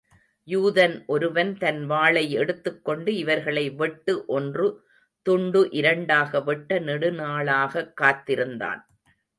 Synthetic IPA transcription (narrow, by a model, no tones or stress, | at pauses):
juːðɐnʔɔɾɯʋɐnt̪ɐnʋaːɭɐɪɛɽɯt̪ːɯkːɔɳɖɯɪʋɐɾɣɐɭɐɪʋɛʈːɯʔɔndrɯ | t̪ʊɳɖɯʔɪɾɐɳɖaːɣɐʋɛʈːɐnɛɽɯnaːɭaːɣɐkːaːt̪ːɪɾɯnd̪a̰ːn